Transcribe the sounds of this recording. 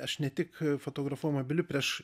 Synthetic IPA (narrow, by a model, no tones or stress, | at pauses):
ɐʃnʲɛt̪ʲɪkfoːt̪oːɡɾɐfuɔjmobʲɪlʲʊpʲɾʲɛʃ